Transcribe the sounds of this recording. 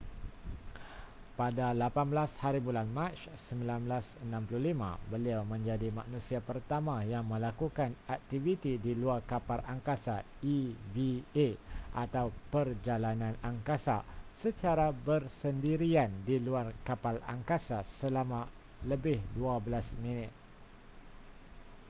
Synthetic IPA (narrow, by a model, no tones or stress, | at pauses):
padalapanbəlashaɾibulanmãt͡ʃsəmbilanbəlasənãmpluhlimã̰bəliawmə̃ɲd͡ʒadimaʔnũsiapərt̪amãjaŋmə̃lakukanak̚t̪ivit̪idiluarkapalʔaŋkasa | ivieʔat̪awpərd͡ʒalanãnaŋkasasət͡ʃaɾabərsəndiɾiandiluarkapala̰ŋkasasəlamã | ləbɪhduabəlasmĩnɪt̪̚